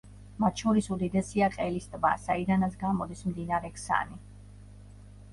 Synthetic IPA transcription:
mat̪ʰʃɔɾisud̪id̪ɛsiaqʼɛlist̪ʼba̰said̪anat̪sʰɡamɔd̪ismd̪inaɾɛkʰsa̰ni

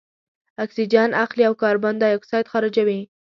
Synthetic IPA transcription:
aksid͡ʒɑnaqliawkɑɾband̪ajaksɑjt̪xɑɾɪd͡ʒawi

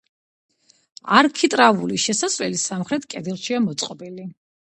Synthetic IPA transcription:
aɾkʰit̪ʼɾavuliʃɛsasʼvɛlisamχɾɛt̪ʰkʼɛd̪ilˠʃiamɔt̪sʼqʼɔbili

